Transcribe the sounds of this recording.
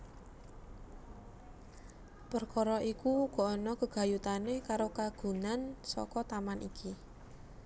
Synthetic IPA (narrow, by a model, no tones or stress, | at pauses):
pərkɔɾɔʔikuɡ̥ɔ̤ɔnɔkəɡ̥a̤jut̪anekaɾokaɡ̥ṳnansɔ̰kɔt̪amanʔḭkʰi